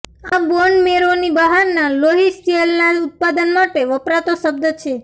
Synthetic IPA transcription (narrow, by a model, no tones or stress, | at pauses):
aboɳmeɾonibəɦanːaloɦisʈelnaut̪̚pad̪ənmaʈeʋəpɾat̪oʃəb̚d̪ət͡ʃʰe